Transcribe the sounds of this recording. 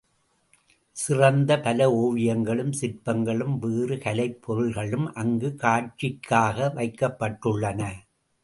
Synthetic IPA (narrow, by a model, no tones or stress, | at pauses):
sɪrɐnd̪ɐpɐlɐoːʋɪjɐŋɡɐɭɯmsɪrpɐŋɡɐɭɯmʋeːrɯkɐlɐɪpʰːɔɾɯɭɣɐɭɯmʔɐŋɡɯkaːʈ̚t͡ʃːɪkʰːaːɣɐʋɐɪkːɐpːɐʈːɯɭːɐnɐ